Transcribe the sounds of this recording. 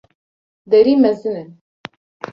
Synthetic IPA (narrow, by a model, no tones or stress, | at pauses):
d̪ɛɾiːmɛzɨnɛn